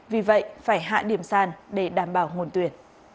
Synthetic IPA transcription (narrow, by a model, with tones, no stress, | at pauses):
vi˨˩və̰˧˨jfaː˧˩jɦa̰ː˧˨ɗi˧˩əmsaː˧nɗe˧˩ɗaː˧˩mɓaː˧˩wŋo˨˩nt̪wi˨˩ən